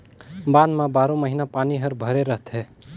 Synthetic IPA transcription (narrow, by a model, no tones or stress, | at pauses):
bãnmãbaːɾõməɦinapaniɦəɾbʱəɾeɾəɦt̪ʰɦe